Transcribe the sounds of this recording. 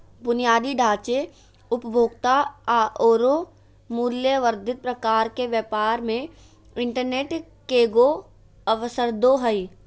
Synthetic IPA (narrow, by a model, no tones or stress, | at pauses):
bʊnijaːd̪iɖʱaːt͡ʃe | ʊpbʱoːɡt̪aaʔoːɾo | muːljəʋəɾd̪ʱɪt̪̚pɾəkaːɾkeʋjəpaːɾmẽ | ɪ̃ɳʈəɾneːʈ | keːɡo | əʋəsəɾd̪oːɦəi